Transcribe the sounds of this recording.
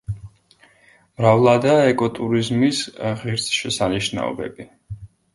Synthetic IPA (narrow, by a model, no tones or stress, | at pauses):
mɾavlˠad̪aːɛkʼɔt̪ʼuɾizmisʁiɾsʃɛsaniʃna̰ɔ̰bɛ̰bi